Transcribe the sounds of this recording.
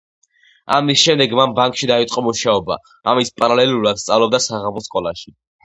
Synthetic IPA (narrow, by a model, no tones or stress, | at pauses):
amisʃɛmd̪ɛɡmambaŋkʼʃid̪ait̪sʼqʼɔmuʃaɔba̰ | amispʼaɾalɛluɾad̪̥st̪sʼavlɔb̚d̪asaʁamɔskʼɔlˠa̰ʃi